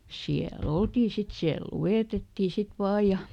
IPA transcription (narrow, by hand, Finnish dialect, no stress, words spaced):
siæl oltiː sit siæl lueˑtetːiˑ sit ʋɑːj̆ jɑ